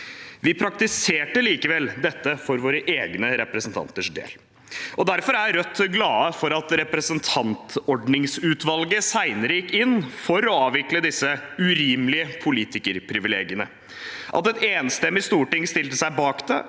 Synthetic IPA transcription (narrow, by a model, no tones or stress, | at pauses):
ʋɪpʰɾɑkt̪ɪseːʈəliːkəʋɛld̪ɛt̪ːəfɔɾʋoːɾəʔeːɡnəɾɛpɾəsn̩t̪ʰɑ̰nt̪əʂd̪ḛːl | ʔɔd̪æɾfɔɾæɾœt̪ːɡlɑːəfɔɾɑt̪ɾɛpɾɛsənt̪ʰɑnt̪ɔɖnɪŋsʉːt̪ʋɑlɡəsæɪnəɾjɪkːɪnːfɔɾɔɑːʋɪkləd̪ɪsːəʉɾiːmlɪəpʰʊliːt̪ɪkəɾpʰɾɪʋɪlḛːɡɪənə | ʔɑ̰t̪ɛt̪eːnst̪ɛmːɪst̪uːʈɪŋst̪ɪlt̪əsæɪbɑːkd̪ɛ̰